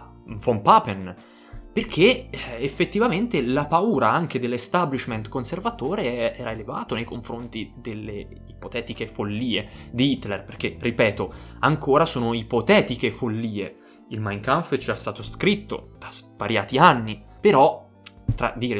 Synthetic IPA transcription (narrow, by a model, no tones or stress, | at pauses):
fompapen | perk̟ʰeefːet̪ːivament̪elapauːɾaaŋk̟ed̪elːest̪ablit͡ʃment̪konservat̪oːɾeɛːɾaelevaːt̪onejkoɱfɾont̪id̪elːe | ipot̪ɛːt̪ik̟efolːiːed̪iit̪ːlerperk̟erːipɛːt̪oaŋkoːɾasoːnoipot̪ɛːt̪ikefolːiːḛ | ilmajŋkaɱfd͡ʒast̪aːt̪oskɾit̪ːo̰d̪̥azvaɾjaːt̪ianːi | peɾɔ | t̪ːɾa̰d̪iːɾe